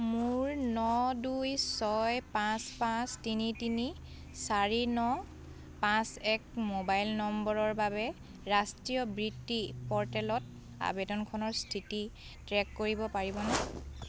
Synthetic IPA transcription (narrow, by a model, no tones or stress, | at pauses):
muɹnɔdujsɔjpãspãstinitini | saɹinɔ | pãsɛkmobajlnɔmbɔɹɔɹbabɛ | ɹastɹijɔbɹidipɔɹtɛlɔt | a̰bɛdɔnkʰɔnɔɹstʰiti | tɹɛkːoɹibɔpaɹibɔnɛ